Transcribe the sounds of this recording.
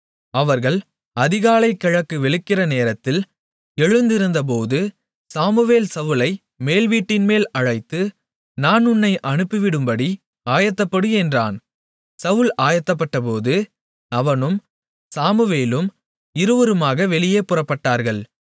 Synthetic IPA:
ɐʋɐɾɣɐɭ | ɐðɪɣaːlɐɪkːɐɻɐkːɯʋɛɭɯkːɪrɐneːɾɐt̪ːɪl | ɛɻɯnd̪ɪɾɯnd̪ɐp̬oːðɯ | saːmɯʋeːlsɐʋɯlɐɪ | meːlʋiːʈːɪnmeːlɐɻɐɪt̪ːɯ | naːnʊnːɐɪʔɐɳɯpːɯʋɪɽɯmbɐɽi | aːjɐt̪ːɐpːɐɽɯɛndra̰ːn | sɐʋɯlaːjɐt̪ːɐp̬ːɐʈːɐp̬oːðɯ | ɐʋɐnɯm | saːmɯʋeːlɯm | ɪɾɯʋɐɾɯmaːɣɐʋɛɭɪjeːpʊrɐpːɐʈːaːɾɣɐɭ

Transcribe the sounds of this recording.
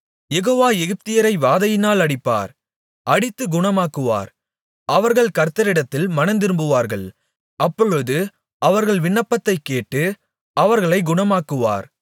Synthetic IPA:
jɛɣoːʋaːɛɣɪp̚t̪ɪjɐɾɐɪʋaːðɐjɪnaːlɐɽɪpːa̰ːɾ | ʔɐɽɪt̪ːɯɡʊɳɐmaːkɯʋa̰ːɾ | ʔɐʋɐɾɣɐɭkɐɾt̪ɐɾɪɽɐt̪ːɪlmɐnɐnd̪ɪɾɯmbɯʋaːɾɣɐɭ | ʔɐpːɔɻɯðɯ | ʔɐʋɐɾɣɐɭʋɪɳːɐpːɐt̪ːɐɪkːeːʈːɯ | ɐʋɐɾɣɐɭɐɪɡʊɳɐmaːkɯʋa̰ːɾ

